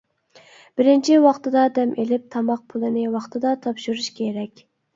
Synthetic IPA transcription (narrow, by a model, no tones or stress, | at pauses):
b̥ɪɾɪnt͡ʃʰiwɑχt̪ɨd̪ɑd̪ɛmʔelɪp̚t̪ʰɑmɑq̚pʰulˠɨnɪwɑχt̪ʰɨd̪ɑt̪ʰɑpʃuɾuʃkʲʰeɾɛkʲ